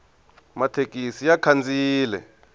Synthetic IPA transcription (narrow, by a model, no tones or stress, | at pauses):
matʰek̬ʼisijakʰand͡zʱʼiːlɛ̰